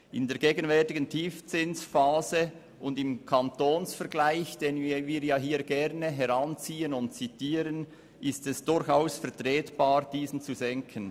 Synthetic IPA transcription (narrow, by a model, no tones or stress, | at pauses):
ʔɪndeːɐɾɡeːɡənvɛʁtɪɡəntʰiːft͡sɪnsfaːzə | ʔʊndɪmkʰɑntoːnsfɛɾɡlaɪçd̥eːnviːjaːɦiːɡ̥ɛʁnəɦɛʁant͡siːənʊnt̚t͡sitiːɾən | ʔɪstɛsd̥ʊɾçaʊsfɛɐʁtʁɛːtb̥aːɾd̥iːsn̩t͡suzɛŋkʰən